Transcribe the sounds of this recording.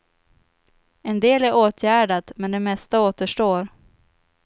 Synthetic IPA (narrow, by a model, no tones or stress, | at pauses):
ɛnd̪eːlæɾʔoːt̪ʰjæːɖat̪mɛnd̪ɛmɛst̪aoːt̪əʂʈoːɾ